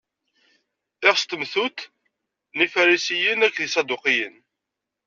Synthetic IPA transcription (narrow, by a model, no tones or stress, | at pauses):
ɪʁst̪əmθut̪ | nifæɾisijənækːðisɑd̪uqijən